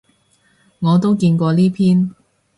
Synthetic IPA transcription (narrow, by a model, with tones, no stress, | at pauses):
ŋɔː˨˧t̪̬o˥wkiː˧nkʷɔː˧liː˥pʰiː˥n